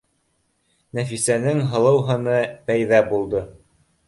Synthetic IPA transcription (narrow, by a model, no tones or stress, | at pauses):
næfisænɘŋɦɤ̆lˠɤ̆wɦɤ̆nɤpæjðæbulˠd̪ɤ